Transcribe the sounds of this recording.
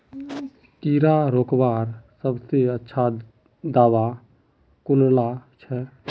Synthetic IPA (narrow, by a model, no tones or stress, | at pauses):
t̪iːɾaɾoːkbaːɾsəbseətːʃʰa | d̪aːʋa | kʊnlat͡ʃʰɛ